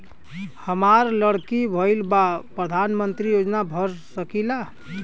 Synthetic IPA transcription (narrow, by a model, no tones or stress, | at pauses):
həmaɾləɽkibʱəɪlbapɾəd̪ʱanmənt̪ɾijod͡ʒnabʱəɾsəkila